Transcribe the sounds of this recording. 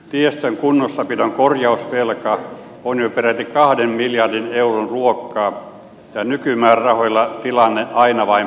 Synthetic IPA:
t̪iest̪æŋkunːosːɑpit̪oŋkorjɑusʋelkɑ | onjoperæt̪ːikɑhdemmiljɑrdineuronruokːɑː | jɑnykymæːrrɑhoilːɑt̪ilɑnːeʔɑinɑʋɑi

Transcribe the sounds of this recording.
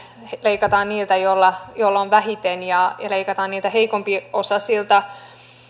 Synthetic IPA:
leikɑt̪ɑːnniːlt̪æjolːɑjolːɑoʋʋæhit̪enjɑjɑleikɑt̪ɑːnniːlt̪æɦeikompiosɑsilt̪ɑ

